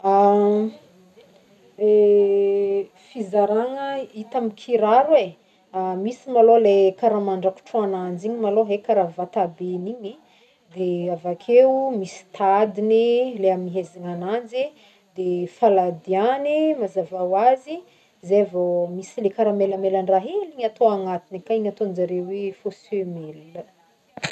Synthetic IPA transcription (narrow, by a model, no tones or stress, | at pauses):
a | e | fizaɾaŋəit̪amikʰiɾaɾwe | amisimalolekaɾamaɳɖ͡ʐaku̥ʈ͡ʂuanand͡ʒiɲimaloɦekaɾavat̪abeniɲi | d̪eavakʰewmisi̥t̪ʰad̪inileaminiɦeziŋanand͡zi | d̪efalad̪ianimazavawazi | zevomisilekaɾamelamelaɳɖ͡ʐaɦeliɲat̪oaŋat̪inikaiɲat̪ond͡ʒaɾewefosemelə